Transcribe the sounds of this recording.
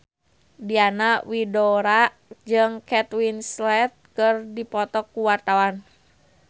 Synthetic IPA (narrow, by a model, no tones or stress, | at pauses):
dianawidoɾa | d͡ʒɨŋkɛt̪winslɛt̪̚kərdipɔt̪ɔkːuwart̪awan